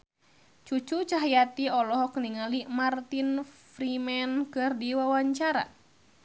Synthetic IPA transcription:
t͡ʃut͡ʃut͡ʃaɦjat̪iɔlɔɦɔkəniŋalimart̪infɾimɛnkɨrdiwawaɲt͡ʃaɾa̰

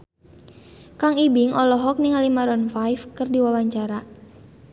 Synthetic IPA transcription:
kaŋibiŋʔɔlɔɦɔk̚niŋalimaɾɔnfajfkɨrdiwawaɲt͡ʃaɾa

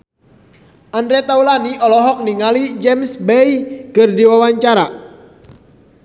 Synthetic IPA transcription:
ʔandɾɛt̪aulaniɔlɔɦɔk̚niŋalid͡ʒɛmsbɛikərdiwawaɲt͡ʃaɾa

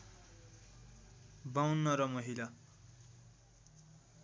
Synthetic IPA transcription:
bawnːʌɾʌmʌɦila

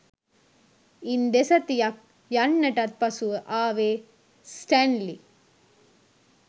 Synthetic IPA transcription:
ind̪esɐt̪ːijɐk̚ | jɐɳːɐʈɐt̪̚pɐsuʔaːʋeː | sʈanli

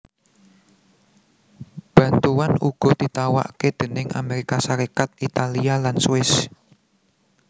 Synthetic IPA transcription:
b̥ä̤nt̪uwanuɡ̥ɔ̤d̪̥it̪awa̰ʔked̪̥ə̤nɪŋa̰meɾikasaɾekat̪̚it̪alialansuɪs

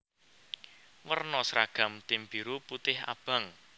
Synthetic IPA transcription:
wərnɔsɾaɡ̥a̤mt̪ɪmbiɾuput̪ɪɦa̰b̥a̤ŋ

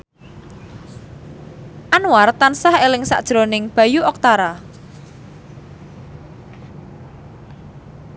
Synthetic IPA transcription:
ʔanwart̪ansahelɪŋsa̰ʔd̥ʒ̥ɾonɪŋb̥ä̤juɔk̚t̪aɾa

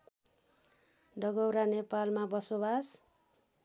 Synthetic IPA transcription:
ɖʌɡʌwɾanepalmabʌsobas

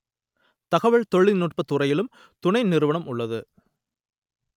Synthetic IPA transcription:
t̪ɐɣɐʋɐɭt̪ɔɭːɪnuːʈ̚pɐt̪ːʊrɐjɪlɯm | t̪ʊɳɐɪnɪɾɯʋɐɳɐmʊɭːɐðɯ

